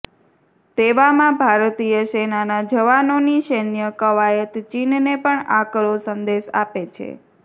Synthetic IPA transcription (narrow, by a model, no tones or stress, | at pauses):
t̪eʋamãbʱaɾt̪ijəsenanad͡ʒəʋanoniʃenjəkəʋajət̪t͡ʃinnepəɳakɾosənd̪eʃa̰pet͡ʃʰḛ